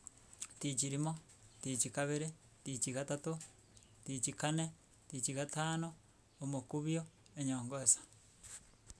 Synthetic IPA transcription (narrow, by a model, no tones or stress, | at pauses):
tit͡ʃiɾimo | tit͡ʃikaβeɾe | tit͡ʃikatato | tit͡ʃikane | tit͡ʃiɣataːnoː | mokuβjoeɲoːŋɡoesḁ